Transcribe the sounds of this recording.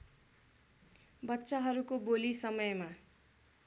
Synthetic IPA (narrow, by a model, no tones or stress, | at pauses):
bʌtːsaɦʌɾukobolisʌmʌjma